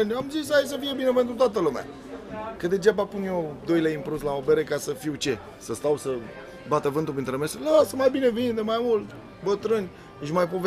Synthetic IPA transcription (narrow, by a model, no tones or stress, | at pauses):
nʲamzisaes̬əfije̞binep̬e̞nt̪ɾut̪oat̪əluma̰ | kəd̪ed͡ʒapapunejod̪o̞jlaimpɾuslaobeɾekasəfiwt͡ʃe̞ | səst̪awsə | bat̪əvɨnt̪upint̪ɾemeselasəmajbinevind̪emajmult̪ | bət̪ɾɨnʲ | ʃmajpo̞ve